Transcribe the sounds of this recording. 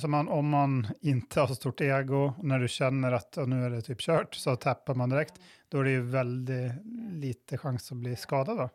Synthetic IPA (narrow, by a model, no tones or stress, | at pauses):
sɔmɑnɔmːɑnɪnt̪əhɑɾʂɔst̪uːʈeːɡʊnæɖʉɕɛnːəɾɑt̪ɑnʉːæɖɛt̪ʰyːpɕøːʈsɔt̪ʰɛpːaɾmɑnd̪ɪɾɛkt̪d̪̥ɔæɖɛjʉvɛld̪ɪliːt̪əɧɑŋsɔbliːskɑːd̪ɑd̪ɑ